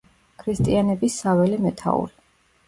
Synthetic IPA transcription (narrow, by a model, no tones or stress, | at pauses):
kʰɾist̪ʼianɛbisːavɛlimɛt̪ʰa̰ṵɾi